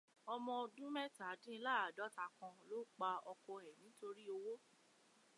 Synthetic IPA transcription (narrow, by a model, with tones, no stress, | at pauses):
ɔ˧mɔ̃˧o˧dũ˦mɛ˦ta˨˦dĩ˦˧˦la˦˨a˨dɔ˦ta˧˨kɔ̃˧lo˦k͡pa˧ɔ˧kɔ˧ɛ˨nĩ˨˦to˧ɾi˦o˧wo˦